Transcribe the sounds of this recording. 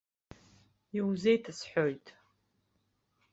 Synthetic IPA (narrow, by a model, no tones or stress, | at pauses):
iwzejtʰɨsħʷᶣojtʼ